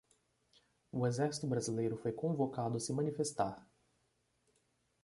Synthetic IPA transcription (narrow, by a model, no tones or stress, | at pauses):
ʊezɛɾsi̥t̪ʊbɾazilejɾʊfojkõvokad̪ʊsɪmɐ̃nifest̪aɾ